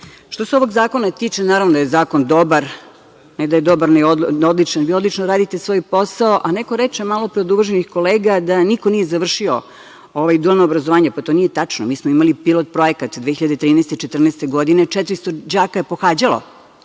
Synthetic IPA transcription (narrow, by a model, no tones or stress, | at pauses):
ʃt̪oseoʋo̞ɡzaːko̞nat̪iːt͡ʂenaːɾaʋnod̪ajezaːko̞nd̪obaɾ | nɛd̪aje̞d̪obaɾnɛood̪lit͡ʃanʋiːod̪lit͡ʃnoɾaːd̪it̪esʋo̞ːjposaoʔanekoɾet͡ʂemaːlopɾiod̪uʋʒenixko̞leːɡad̪anikonijezaʋr̩ʃio̰ | oʋajd̪ualnoːbɾazoʋaːɲepat̪o̞ːnijet̪at͡ʂnomiːsmoimalipilot̪̚pɾojekat̪d̪ʋexçiʎad̪et̪ɾiːnɛːst̪et͡ʃet̪r̩neːst̪eɡo̞d̪inet͡ʂɛt̪ɾist̪od͡ʑaːkae̞poxaːd͡ʑalo̰